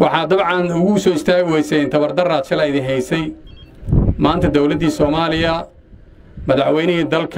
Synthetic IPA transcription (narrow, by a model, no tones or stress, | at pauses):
wɑħɑːd̪ɐbʕɑnʊɣʊsɔːɪst̪ʰaːɣʊwɛjsɛnt̪ʰɐβɐrd̪ɐraːt̪ʃɐlɐɪðɪnɦɛjsɛj | maːnt̪ʰɐd̪ɔwlɐd̪ːiːsɔːmaːlɪjɐ | mɐðɑħwɛjnɪɦiːd̪ɐlkʰ